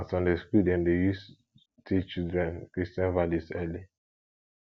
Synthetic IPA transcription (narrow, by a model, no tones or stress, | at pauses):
stɔ̃ndestudɛ̃ndejus | tʰit͡ʃildɾɛ̃nkɹistɛ̃nvalisɛli